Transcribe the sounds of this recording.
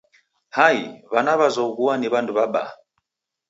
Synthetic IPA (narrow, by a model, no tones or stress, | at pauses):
haiβanaβazɔɣuaniβanduβaɓa̰